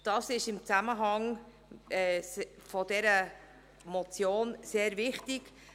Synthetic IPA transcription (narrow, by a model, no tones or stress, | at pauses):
d̥ɑːsɪʃɪmt͡sæməɦɑŋ | ɛːfɔd̥ɛɾə | mɔt͡sjoːnseːɾvɪχtɪk